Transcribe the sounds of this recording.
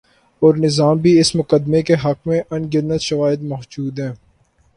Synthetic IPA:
ɔːɾnɪzaːmbʱiɪsmʊkəd̪mekeɦɐkmẽʔɐnɡɪd̪nət̪ʃɐʋaːɪd̪mɔɦd͡ʒuːd̪ɦɛ̃ː

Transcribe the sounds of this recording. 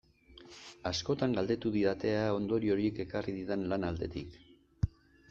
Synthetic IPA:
asko̞t̪aŋɡald̪e̞t̪uðiðat̪e̞ao̞nd̪o̞ɾio̞ɾieke̞kariðiðenlanald̪e̞t̪ik

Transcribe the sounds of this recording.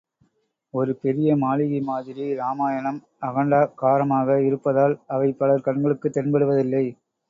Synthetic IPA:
ɔɾɯpɛɾɪjɐmaːlɪɣɐɪmaːðɪɾiɾaːmaːjɐnɐm | ɐɣɐɳɖaːkaːɾɐmaːɣɐɪɾɯpːɐðaːlɐʋɐɪpːɐlɐɾkɐɳɡɐɭɯkːɯt̪ːɛnnbɐɽɯʋɐðɪlːɐɪ

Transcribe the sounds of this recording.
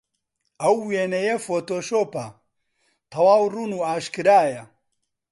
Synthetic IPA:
ɐwweːnɐjefoːt̪oːʃoːpɐ | t̪ʰɐwaːwruːnuːaːʃkɨɾaːjɐ

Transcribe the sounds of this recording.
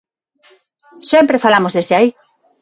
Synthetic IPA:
sempɾefalamozðeseai

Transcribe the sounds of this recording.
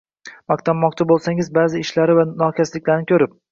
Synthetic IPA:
mɑq̚t̪ʰamːɒqt͡ʃʰabolˠsaŋɪzbaːzɪɪʃlaɾɪvanɒkʲʰaslɪkʲlaɾnɪkʲʰɵɾɪp̚

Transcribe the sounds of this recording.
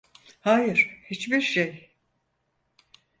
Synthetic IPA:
haːjɯɾ̥hit͡ʃbiɾʃej

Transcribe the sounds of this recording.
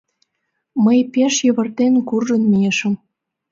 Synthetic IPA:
məjpeʃjəβə̆rt̪enkurʒə̆nmijeʃə̆m

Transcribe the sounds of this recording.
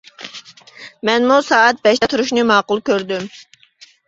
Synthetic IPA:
mɛnmusɑːt̪̚bɛʃt̪ɛt̪ʰuɾuʃnɨmɑːqʊlˠkʲøɾd̪ym

